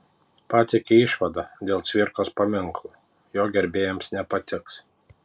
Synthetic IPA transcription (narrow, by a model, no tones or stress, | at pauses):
pat̪ʲɪkʲiiʃvad̪ad̪ʲɛlˠt̪sʲvʲiɾkɔspamʲɨŋklˠu | jɔːɡʲɛɾʲbʲeːjɛmsnʲɛpat̪ʲɪks